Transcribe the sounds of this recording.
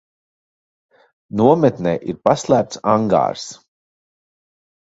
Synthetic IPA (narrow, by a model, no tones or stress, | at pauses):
nuɔmɛt̪nɛ̰ːʔiɾpaslˠæːp̚t̪saŋɡa̰ːɾs